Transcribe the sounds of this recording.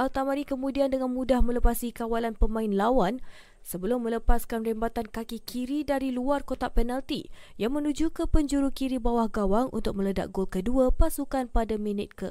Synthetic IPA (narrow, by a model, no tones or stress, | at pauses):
ʔalt̪amanikəmũdiandəŋanmudahmə̃ləpasikawalanpəmãɪnlawan | səbəlʊmːə̃ləpaskanrembat̪ankakikʰiɾidaɾiluarkot̪apɛnalt̪ijaŋmə̃nud͡ʒukəpəɲd͡ʒuɾukiɾibawahɡawaŋṵnt̪ʊk̚mə̃ləda̰ʔ̚ɡolkəduapasukanpadaminɪt̪̚kə